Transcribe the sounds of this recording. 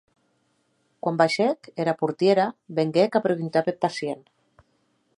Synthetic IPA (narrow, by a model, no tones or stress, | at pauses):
kwambaʃekeɾapuɾt̪jeɾaβeŋɡekapɾeβint̪apepasjen